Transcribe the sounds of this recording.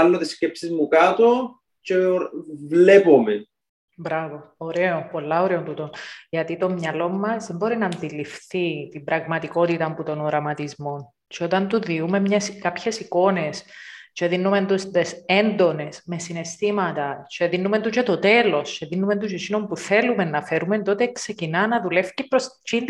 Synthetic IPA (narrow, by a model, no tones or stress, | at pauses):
ɐlːot̪iscepsizmukat̪o | t͡ʃevlepome | bɾɐvo̞oɾeopo̞lːɐoɾeot̪ut̪o̞nʝɐt̪it̪o̞mɲɐlo̞mːɐzðe̞mbo̞ɾinɐːnd̪ilifθit̪imbɾɐɣmɐt̪iko̞t̪it̪ɐmput̪o̞noɾɐmɐt̪izmo̞n | t͡ʃeo̞t̪ɐnt̪uðiume̞mɲeskɐpçe̞siko̞ne̞st͡ʃe̞ðinːume̞nd̪ust̪esend̪o̞ne̞sme̞sine̞st̪imɐt̪ɐt͡ʃe̞ðinːume̞nt̪ut͡ʃet̪o̞t̪e̞lo̞st͡ʃe̞ðinːume̞nt̪ut͡ʃesino̞mpuθe̞lume̞nːɐfe̞ɾument̪o̞t̪ekse̞cinɐnɐðule̞fcipɾost͡ʃin